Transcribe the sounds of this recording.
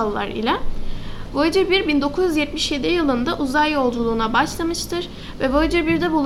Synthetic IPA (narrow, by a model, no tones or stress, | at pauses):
lˠːa̰ɾḭlʲɛ | vod͡ʒɯɾbiɾbind̪o̞kʰuzyzjɛt̪miʃje̞d̪ijɯlˠɯnd̪aʔuzajjo̞lˠd͡ʒulˠuːnabaʃlˠamɯʃt̪ʰɯɾ̥ | vɛvød͡ʒɯɾbiɾd̪ɛbulˠ